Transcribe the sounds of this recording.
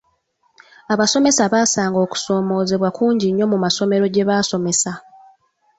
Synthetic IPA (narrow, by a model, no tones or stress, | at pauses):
aβaso̞me̞saβaːsaːŋɡo̞ːku̥so̞ːmo̞ːze̞βwakuːɲɟiɲːo̞mumaso̞me̞ɾo̞ɟe̞βaːso̞me̞sa